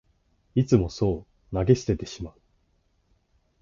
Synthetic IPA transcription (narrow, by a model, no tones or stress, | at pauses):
it͡sɨmo̞so̞ː | naɡe̞ɕi̥t̪e̞t̪eɕimaɯ